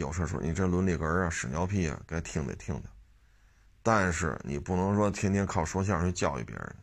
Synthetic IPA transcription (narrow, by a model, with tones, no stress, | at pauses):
jo˨˩ʊʂə˥˧˩ʂɔ̰˧˥ni˨˩ʈ͡ʂə˥lwə˧˥nli˨˩ɡə˧˥ɐ˧ʂɻ̩˨˩njɑ˧˥ʊpʰi˥˩ɐ̰˨˩ka˥ɪt̪ʰi˥˩ŋd̪ə̰˨t̪ʰi˥˧ŋd̪ə˨˩ | t̪a˥˧nʂɻ̩˥˩nḭ˨˩pu˥˩nɤ˧˥ŋʂwɔ˥t̪ʰjɛ˥nt̪jɛ˥nkʰɑ˥˩ʊʂwɔ˥ɕ̬ja˥˩t͡ɕʰɛ˥t͡ɕjɑ˥˩ʊḭ˥˩pjɛ̰˧˥˧